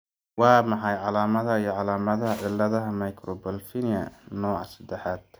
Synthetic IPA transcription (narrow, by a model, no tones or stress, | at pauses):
wɑːmɑħɑjʕɑlaːmɐðɐijɞʕɑlaːmɐðɐɦɐʕɪlːɐðɐɦɐmɐjkʰrɔbɐlfinɪjɐ̰nɔːʕɑ̰sɐd̪ɛħaːd̪̥